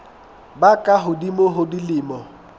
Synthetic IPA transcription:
bakʼaɦʊdimoɦʊdilɪmɔ

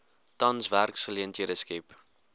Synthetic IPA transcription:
tɐnsværksχəliəntɦiədəskɛp

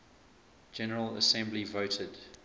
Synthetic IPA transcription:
d͡ʒɛnəɹələ̰sɛ̃mblivoʊtʰəd̥

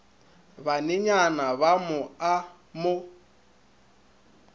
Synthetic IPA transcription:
βanɪɲanaβamʊa | mʊ

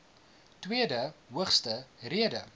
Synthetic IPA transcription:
twiədəɦuəχstəriədə

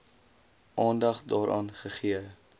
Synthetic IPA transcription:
ʔɑːndɐχdɑːɾʔɑːnχəχiə

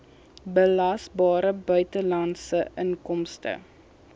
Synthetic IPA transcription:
bəlɐsbɑːɾəbœɥtəlɐnsəʔəŋkɔmstə̰

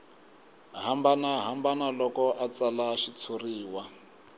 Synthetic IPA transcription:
ɦambanaɦambanalɔkɔʔat͡salaʃit͡sʰuriːwa

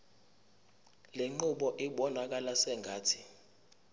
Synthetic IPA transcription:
lɛŋ͡ǃuɓɔʔiɓɔnak̬alasɛŋɡʱaːtʰi

